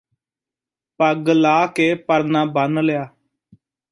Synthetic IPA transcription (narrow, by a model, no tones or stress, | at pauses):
pəɡlaːkeːpəɾnãːbənlejaː